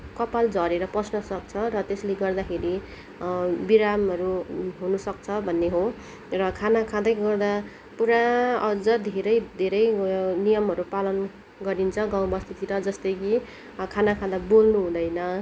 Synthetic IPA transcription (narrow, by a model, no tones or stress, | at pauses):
kʌpald͡zʱʌɾeɾʌprʌsnʌsʌk̚t͡sʰʌrʌt̪esleɡʌrd̪akʰeɾi | biɾamɦʌɾuɦunʌsʌk̚t͡sʰʌbʱʌnːeɦo | rʌkʰanakʰãd̪ʌjɡʌrd̪a | puɾaʌd͡zʌd̪ʱeɾʌjd̪ʱeɾʌjnijʌmɦʌɾupalʌn | ɡʌɾint͡sʰʌɡãw̃bʌst̪ʰit̪iɾʌd͡zʌst̪ʌjki | kʰanakʰãd̪abolnuɦũd̪ʌjnʌ